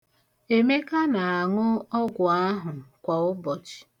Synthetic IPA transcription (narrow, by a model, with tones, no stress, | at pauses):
e˨me˦ka˦na˨a˨ŋʊ˦ɔ˦ɡʷʊ˨a˦ɦʊ˨kʷa˨ʊ˦bɔ˨t͡ʃi̥˨